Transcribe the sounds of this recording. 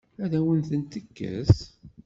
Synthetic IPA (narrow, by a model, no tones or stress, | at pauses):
æðæwənθənt̪əkːə̰s